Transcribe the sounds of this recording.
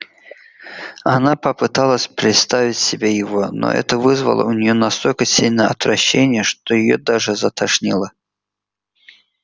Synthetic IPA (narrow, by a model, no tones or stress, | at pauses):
ɐnapəpɨt̪alˠəsʲpɾʲɪt̪st̪avʲɪtʲsʲɪbʲejɪvo̞no̰ʔɛ̰t̪əvɨzvə̰lˠə̰ʊnʲɪjo̞nɐst̪o̞lʲkəsʲilʲnəjəɐt̪vɾɐɕːenʲɪjəʂt̪ojɪjo̰d̪aʐɨzət̪ɐʂnʲilˠə